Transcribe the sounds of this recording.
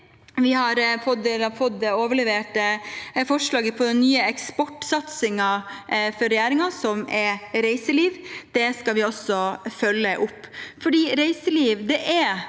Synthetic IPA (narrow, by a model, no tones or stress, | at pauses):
ʋɪhɑɾfʰɔd̪elɑfɔt̪ːɛoːʋəɭɛʋeːʈəfɔʂlɑːɡəpʰɔd̪ɛnnyːəɛkspɔʈːsɑt̪sɪŋɑfɔɾɛjæːɾɪŋɑsɔmɛɾɾæɪsəliːʋd̪̥ɛskɑlʋɪɔsɔfœlːəʔʊpːfɔɖiːɾæɪsəliːʋd̪ɛʔæ